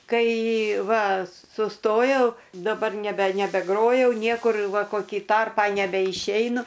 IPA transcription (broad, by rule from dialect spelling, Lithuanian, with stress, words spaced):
ˈkɐɪ ˈʋɐ sʊˈstoːjɛʊ dɐˈbɐr nʲɛˈbʲɛ nʲɛbʲɛˈɡroːjɛʊ ˈnʲiɛkʊr ˈʋɐ koːˈkʲiː ˈtɐrpɑː nʲɛbʲɛɪʃʲˈɛɪnʊ